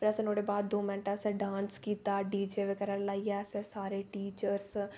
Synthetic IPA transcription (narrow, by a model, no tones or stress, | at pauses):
pəɾəsẽːnoːɽeːbaːd̪d̪oːmɛnʈaːsɛ̃ːɖaːnskiːt̪aːɖiːd͡ʒeːʋekəɾənlaːiːasẽːsaːɾeːʈiːt͡ʃəɾs